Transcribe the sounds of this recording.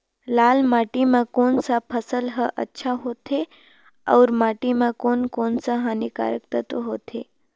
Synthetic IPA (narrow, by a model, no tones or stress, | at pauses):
laːlmaːʈimãkoːnsapʰəsəlɦəʔə̰tːʃʰaɦoːt̪ʰe | ɐ̰ʊɾmaːʈimãkoːnkoːnsaɦanika̰ːɾək̚t̪ət̪oɦoːt̪ʰe